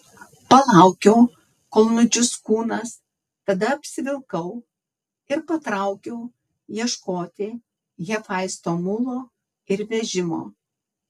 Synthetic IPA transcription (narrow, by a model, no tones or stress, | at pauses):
pɐlˠɑˑʊkʲɛʊ | koːlˠnʊd͡ʒʲʊskuːnɐs | t̪ɐd̪ɐɐpʲsʲɪʋʲɪlˠkɐʊ | ɪɾpɐt̪ɾɑˑʊkʲɛʊ | jiɛʃkoːt̪ʲɪ | jɛfɐˑɪst̪oːmʊlˠoː | ɪɾʋʲɛʒʲɪmo̰ː